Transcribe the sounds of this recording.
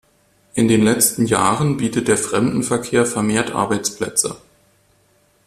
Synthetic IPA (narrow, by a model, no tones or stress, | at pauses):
ʔɪndeːnlɛt͡stn̩jaːʁənbiːtət̚d̥eːɐfʁ̥ɛmdn̩fɛɐkʰeːɐfɛɐmeːɐtʔa̰ɐbaɪt͡splɛ̰t͡sə̰